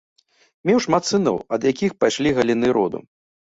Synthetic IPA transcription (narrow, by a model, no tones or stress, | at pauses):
mʲɛwʂmat̪sɨnɔ̰wɐd̪jakʲixpajʂlʲiɣɐlʲinɨɾɔd̪ṵ